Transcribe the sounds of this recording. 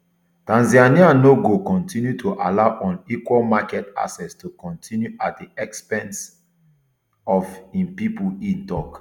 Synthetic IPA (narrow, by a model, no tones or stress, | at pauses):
tãnzianianoɡokɔ̃ntĩnjutʰuʔalaʊʔɔ̃nikwɔlmakɛta̰sɛstʰukɔ̃ntʰĩnjuat̚diɛkspɛ̃ns | ɔfĩnpipuĩntɔk